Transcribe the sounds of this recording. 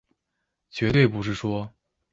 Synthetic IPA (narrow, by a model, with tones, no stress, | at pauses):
t͡ɕɥɛ˧˥t̪we˥˩ɪpu˧˥ʂ̬ɻ̩˥˩ʂwɔ˥